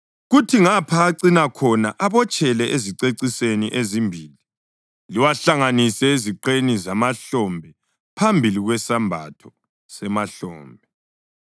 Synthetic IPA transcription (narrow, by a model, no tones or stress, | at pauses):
ɣutʰiŋapʰaːǀinakʰɔnaʔaβɔt͡ʃʼʰɛlɛʔeziǀeǀiseniʔezimbʱiːli | liwaɬaŋanisɛeziǃenizamaɬɔmbʱɛ | pʰambʱiliɣwɛsambʱa̰tʰɔ | sɛmaɬɔ̰ːmbʱɛ